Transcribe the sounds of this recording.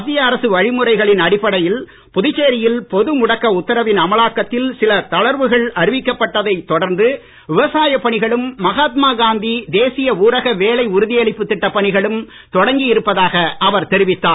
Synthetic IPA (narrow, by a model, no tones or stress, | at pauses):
ɐt̪ːɪjɐːɾɐsɯʋɐɻɪmɯɾɐɪɣɐɭɪnɐɽɪpːɐɽɐjɪl | pʊðɪt͡ʃːeːɾɪjɪlpɔðɯmʊɽɐkːɐʊt̪ːɐɾɐʋɪnɐmɐɭaːkːɐt̪ːɪlsɪlɐt̪ɐɭɐɾʋɯɣɐɭɐɾɪʋɪkːɐpːɐʈːɐðɐɪt̪ːɔɽɐɾnd̪ɯ | ʋɪʋɐsaːjɐpːɐɳɪɣɐɭɯmːɐɣaːt̪maːɡaːnd̪id̪eːsɪjɐuːɾɐɣɐʋeːlɐɪʊɾʊðɪjɐɭɪpːɯt̪ːɪʈːɐpːɐɳɪɣɐɭɯm | t̪ɔɽɐŋɡɪjɪɾɯpːɐðaːɣɐʔɐʋɐɾt̪ɛɾɪʋɪt̪ːaː